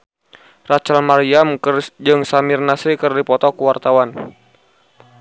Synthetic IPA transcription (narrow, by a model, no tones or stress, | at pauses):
rat͡ʃalmaɾiamkrd͡ʒɨŋsamirnasikɨrdipɔt̪ɔkuwart̪awan